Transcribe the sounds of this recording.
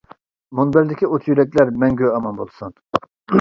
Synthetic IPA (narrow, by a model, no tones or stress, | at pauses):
munbɪɾd̪ɪkʲʰiot̪ʰjyɾɛkʲlæɾmɛŋɡʲøɑmɑnbolˠsun